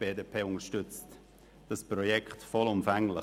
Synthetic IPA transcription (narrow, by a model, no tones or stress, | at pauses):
b̥eːdepʰeːʊnəʃtʏt͡st | d̥aspɾɔjɛktfɔlʊmfɛŋlə